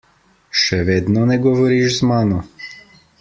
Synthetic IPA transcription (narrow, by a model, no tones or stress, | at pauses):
ʃɛʋeːd̪nɔnɛɡɔʋɔɾiʃzmaːnɔ